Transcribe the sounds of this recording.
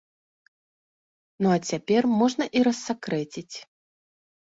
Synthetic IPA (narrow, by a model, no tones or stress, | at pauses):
nuɐt͡sʲapʲɛrmɔʐnɐʔiɾɐsːakɾɛt͡sʲit͡sʲ